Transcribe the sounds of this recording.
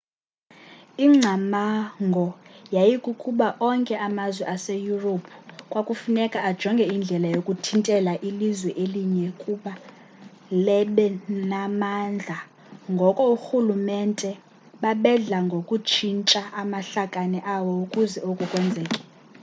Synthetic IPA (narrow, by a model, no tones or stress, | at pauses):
iŋ͡ǀʱamaŋɡʱɔjajikʼukʼuɓaʔɔŋkʼɛʔamazwɛʔasejuropʰu̥kʼwakʼufunɛkʼaad̥ʒ̥ʱɔŋɡʱɛind͡ɮʱɛlajokʼutʰintʼɛlaʔilizwɛʔeliɲɛkʼuɓa | lɛɓɛnamand͡ɮʱa | ŋɡʱɔkʼɔuxulumɛntʼɛ | ɓaɓɛɮaŋɡʱokʼut͡ʃʰint͡ʃʼaamaɬakʼanɛʔawɔukʼuzɛokʼukʼwɛnd͡zʱɛːkʼɛ̥